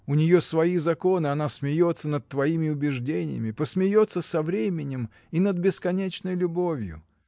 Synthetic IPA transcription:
ʊnʲɪjo̞svɐizɐko̞nɨɐnasmʲɪjo̞t̪sːənət̪̚t̪ːvɐimʲɪʊbʲɪʐdʲenʲɪ̰jɪ̰mʲɪpəsmʲɪjo̞t̪səsɐvɾʲemʲɪnʲɪm | inəd̪̚bʲɪskɐnʲet͡ɕnəjlʲʊbo̞vʲjʊ̰

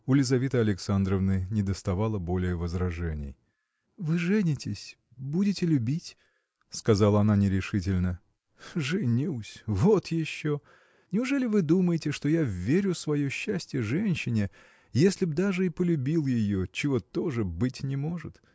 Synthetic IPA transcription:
ʊlʲɪzɐvʲet̪əɐlʲɪksand̪ɾəvnɨnʲɪd̪əst̪ɐvalˠəbo̞lʲɪjəvəzɾɐʐɛnʲɪ̰j | vɨʐɛnʲɪtʲɪsʲ | budʲɪtʲɪlʲʊbʲitʲ | skɐzalˠəɐnanʲɪɾʲɪʂɨtʲɪlʲnə | ʐɨnʲusʲvo̞t̪jɪɕːo | nʲɪʊʐɛlʲɪvɨd̪uməjɪtʲɪʂt̪o̞javːʲeɾʲʊsvɐjoɕːæsʲtʲjɪʐɛnʲɕːɪnʲɪ | jesʲlʲɪb̚d̪aʐɨipəlʲʉbʲilˠjɪjo̞t͡ɕɪvo̞t̪o̞ʐɨbɨtʲnʲɪmo̞ʐɨt̪

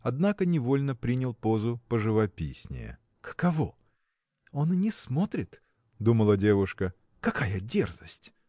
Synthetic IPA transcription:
ɐd̪nakənʲɪvo̞lʲnəpɾʲinʲɪlˠpo̞zʊpəʐɨvɐpʲisʲnʲɪ̰jə̰ | kə̥kɐvo | o̞nnʲɪsmo̞t̪ɾʲɪt̪ | d̪uməlˠədʲevʊʂkə | kɐkʰajədʲḛrzəsʲtʲ

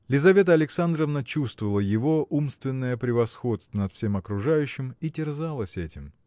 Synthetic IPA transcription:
lʲɪzɐvʲet̪əɐlʲɪksand̪ɾəvnət͡ɕust̪vəvəlˠəjɪvo̞ʔumst̪vʲɪnːəjəpɾʲɪvɐsxo̞t̪st̪vənɐt̪fsʲe̞mɐkɾʊʐajʉɕːɪmitʲɪrzalˠəsʲɛtʲɪm

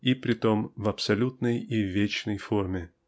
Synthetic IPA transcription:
ipɾʲɪt̪omvɐpsɐlʲut̪nəjivʲet͡ɕnəjformʲɪ

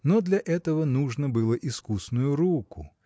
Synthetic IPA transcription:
nɔd̪lʲɐʔɛt̪əvɐnuʐnɐbɨlˠɐʔiskusnʊjʊɾukʊ

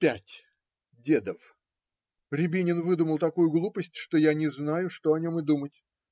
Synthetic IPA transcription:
pʲætʲ | dʲed̪əf | ɾʲɪbʲinʲɪnvɨd̪uməlˠt̪ɐkujʊɡlˠupəsʲtʲʂt̪ojanʲɪznajʊʂt̪oɐnʲo̞mɨd̪umətʲ

